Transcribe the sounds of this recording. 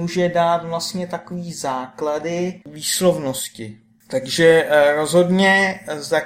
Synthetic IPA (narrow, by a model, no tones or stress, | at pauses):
uːʒɛdaːt̪vlast̪ɲɛt̪akoviːzaːkladɪviːslo̞vno̞scɪ | t̪aɡʒɛɾo̞zɦo̞dɲɛza